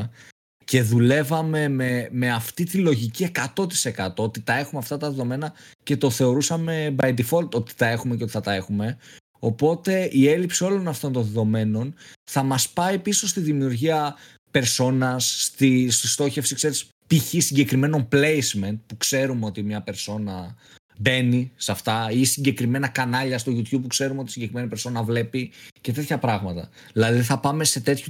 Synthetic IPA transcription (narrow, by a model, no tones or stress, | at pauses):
ce̞ðule̞vɐme̞meme̞ɐft̪it̪ilo̞ʝicie̞kɐt̪o̞t̪i̥se̞kɐt̪o̞ot̪it̪ɐe̞xumeɐft̪ɐt̪ɐðe̞ðo̞me̞nɐce̞t̪o̞θe̞o̞ɾusɐme̞bɐjd̪ifo̞lt̪o̞t̪i̥t̪ɐe̞xumecot̪iθɐt̪ɐe̞xume̞ | o̞po̞t̪e̞ʔie̞lipsio̞lo̞nɐft̪o̞nt̪o̞nðe̞ðo̞me̞no̞nθɐmɐspɐipiso̞st̪iðimiuɾʝiɐ | pe̞ɾso̞nɐsːt̪ist̪ist̪o̞çe̞fsikse̞ɾis | piçisiɲɟe̞kɾime̞no̞mple̞jsme̞nt̪̚pukse̞ɾumeo̞t̪imɲɐpe̞ɾso̞nɐ | be̞nisɐft̪ɐisiɲɟe̞kɾime̞nɐkɐnɐʎɐst̪uʝut̪çub̚pːukse̞ɾumeot̪i̥siɲɟekɾime̞nipe̞ɾso̞nɐvle̞pice̞t̪e̞t̪çɐpɾɐɣmɐt̪ɐ̰ | ðilɐðiθɐpɐme̞se̞t̪e̞t̪çu